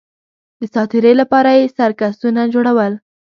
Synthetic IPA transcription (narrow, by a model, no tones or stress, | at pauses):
d̪əsɑt̪ɪɾəlapɑɾajesaɾkasunad͡ʒoɽawəl